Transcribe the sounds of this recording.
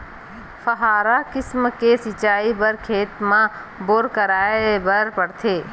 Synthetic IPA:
fʰəɦaːɾakɪsmkesɪt͡ʃaːibəɾkʰeːt̪mã | boːɾkəɾaːebəɾpɐɽt̪ʰeː

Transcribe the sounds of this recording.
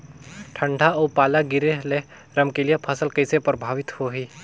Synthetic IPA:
ʈʰə̃ɳɖʱaoːpaːlaɡɪɾeɦle | ɾɐmkelijepʰɐsəlkɐɪsepɾəbʱaːʋɪt̪hoɦiː

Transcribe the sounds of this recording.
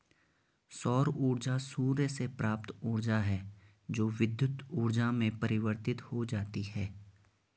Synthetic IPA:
sɔːɾuːɾd͡ʒasuːɾjəsepɾaːp̚t̪uːɾd͡ʒaɦɛː | d͡ʒoːʋɪd̪jʊt̪uːɾd͡ʒamẽpɐɾɪʋəɾt̪ɪt̪hod͡ʒaːt̪ihɛː

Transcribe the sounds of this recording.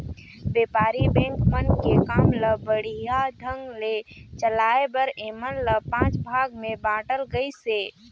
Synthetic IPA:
beːpaːɾibɛ̃ːŋkmənkekaːmləbəɽ̤ijad̪ʱə̃ŋɡlet͡ʃəlaːebəɾeːmənləpãːt͡ʃbʱaːɡmẽbãːʈəlɡəiseː

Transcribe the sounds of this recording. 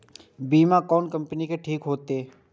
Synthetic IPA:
biːmakɔːnkɐ̃mpənikeʈʰiːkɦoːt̪eː

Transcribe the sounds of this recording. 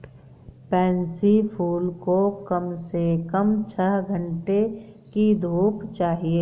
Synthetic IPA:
pɛ̃ːnsipʰuːlkokəmsekəmt͡ʃʰəɦɡʱə̃ɳʈe | kid̪ʱuːpt͡ʃaːɦieː

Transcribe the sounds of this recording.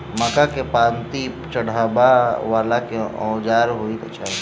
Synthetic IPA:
məkakepãːnt̪i | t͡ʃəɽ̤aːbaʋaːlakeɔ̰̃ːd͡ʒaːɾɦoik̪ɐt͡ʃʰaːi

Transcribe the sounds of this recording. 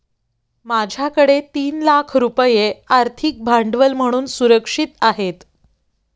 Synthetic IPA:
mad͡ʑʱjakəɽet̪iːnlakʰɾupəjeaɾt̪ʰik̚bʱaɳɖʋəlm̤əɽ̃uːnsuɾəkʂit̪aɦet̪

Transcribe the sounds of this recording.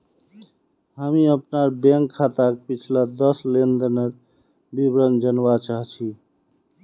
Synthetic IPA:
ɦəmiəpnaɾbeŋkʰːat̪akepit͡ʃʰlad̪əslend̪ənəɾ | bibɾənd͡ʒənbat͡ʃaɦt͡ʃʰi

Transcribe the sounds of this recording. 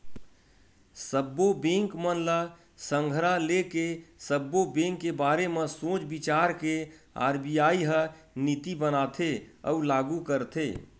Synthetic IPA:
səbːobẽŋkmənlə | sə̃ŋɡʱəɾalekesəbːobẽŋkːebaːɾemesõːt͡ʃbit͡ʃaːɾkea̰ɾbijaːiɦə | nit̪ibənat̪ʰeə̰ulaɡukəɾt̪ʰḛ

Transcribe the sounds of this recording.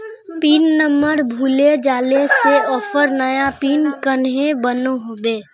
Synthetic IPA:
piːnːəməɾbʱuːled͡ʒaːleseɔːfʰəɾnəjapiːnkənɦẽbənoɦoːbeː

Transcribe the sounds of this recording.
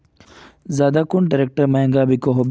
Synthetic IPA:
zaːd̪aːkʊɳɖɐɾek̚ʈəɾmɐɦẽŋɡaːbikoɦob

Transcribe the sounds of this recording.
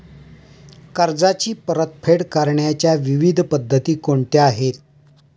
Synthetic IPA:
kaɾd͡zat͡ɕiːpəɾət̪̚pʰeɽkaɾɳjat͡ɕjaʋiʋid̪ʱpəd̪ʱːət̪iːkoɳt̪eaɦet̪̚

